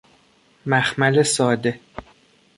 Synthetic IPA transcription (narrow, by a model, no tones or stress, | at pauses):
mæxmælesɒːd̪e̞